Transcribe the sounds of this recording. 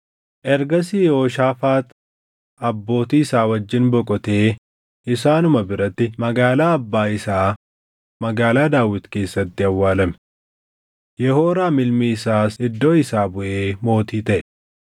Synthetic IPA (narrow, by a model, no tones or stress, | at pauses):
ʔɛɾɡɐs̬ijo̞ːʃaːfaːt̪ | ɐbːo̞ːt̪iːɪsaːwɐd͡ʒːɪnbɔkʼɔt̪eː | ʔɪsaːnʊmɐbɪɾɐt̪ːɪmɐɡaːlaːɐbːaːɪsaː | mɐɡaːlaːd̪aːwɪt̪ke̞ːsːɐt̪ːɪɐwːaːlɐmɛ | jɛhoːɾaːmɪlmiɪsaːsɪd̪ːo̞ːɪsaːbʊʔeːmo̞ːt̪iːt̪ɐʔɛ